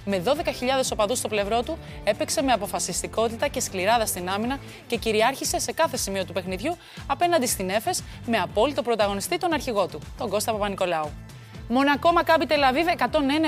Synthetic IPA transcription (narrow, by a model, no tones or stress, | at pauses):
me̞ðo̞ðe̞kɐçiʎɐðe̞so̞pɐðust̪o̞ple̞vɾo̞t̪u | e̞pekse̞me̞ɐpo̞fɐsist̪iko̞t̪it̪ɐce̞skliɾɐðɐst̪inɐminɐ | ce̞ciɾiɐɾçise̞se̞kɐθe̞simio̞t̪upe̞xniðʝu | ɐpe̞nɐnd̪ist̪ine̞fe̞s | meɐpo̞lit̪o̞pɾo̞t̪ɐɣo̞nist̪it̪o̞nɐɾçiɣo̞t̪ut̪o̞ɡo̞st̪ɐpɐpɐniko̞lɐu | mo̞nɐko̞mɐkɐpit̪elɐvivekɐt̪o̞nenɐ